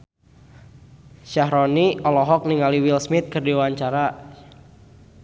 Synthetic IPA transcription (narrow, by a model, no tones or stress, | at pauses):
ʃaɦɾɔniɔlɔɦɔk̚niŋaliwilsmɪt̪̚kɨrdewaɲt͡ʃaɾa